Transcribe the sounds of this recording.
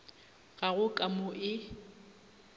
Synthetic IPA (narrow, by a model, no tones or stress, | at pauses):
ɣaɣʊkʼamʊʔɪ